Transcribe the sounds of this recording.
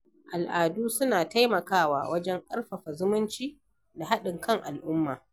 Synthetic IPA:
ʔa˨lʔaː˨duː˦sʊ˦naː˨ta˦jmɐ˨kaː˦wa̰ː˨wʔɐ˦d͡ʒɛ˦ŋʔʼɐ˦rɸɐ˨ɸa˨zʊ˦mʊ˦nt͡ʃiː˦ | da˨ɦa˦ɗɪ˨ŋkʰɐ˦˨ŋʔa˨lʔʊ˦mːaː˨

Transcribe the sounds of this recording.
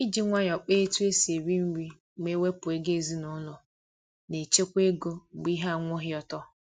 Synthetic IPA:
i˦d͡ʒi˦ŋʷa˦ɲ˨ɔ˨k͡pe˦e˦tu˦e˦se˨ɾi˦m̩˦ɾi˦ | m˦e˦we˦pʊ˨e˦ɡe˦˨zi˦nʊ˨˦lʊ˨ | ne˨t͡ʃe˦kʷe˦ɡo˦˨ɡ͡bi˦ɦa˦a˨ŋʷʊ˦ɦɪ˦ɔ˨tɔ˦

